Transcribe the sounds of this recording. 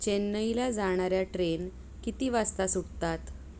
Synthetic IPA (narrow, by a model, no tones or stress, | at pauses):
t͡ɕenːəjlad͡zaɽ̃aɾjaʈɾen | kit̪iːʋast̪asuɽt̪at̪